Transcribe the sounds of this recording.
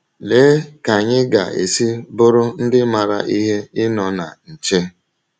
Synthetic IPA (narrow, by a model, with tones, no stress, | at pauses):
le˨˦ka˨ɲɪ˦ɡa̰˨ḛ˨si˦bʊ˦ɾʊ˦n̩˦dɪ˦ma˨ɾa̰˨ʔi˦ɦe˦ɪ˦nɔ˨na˨n̩˨t͡ʃe˦